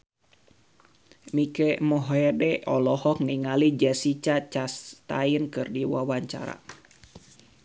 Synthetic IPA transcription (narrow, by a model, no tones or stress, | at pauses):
mikɛmɔɦɛdɛɔlɔhɔk̚niŋalid͡ʒasit͡ʃat͡ʃast̪ainkɨrdiwawaɲt͡ʃa̰ɾa̰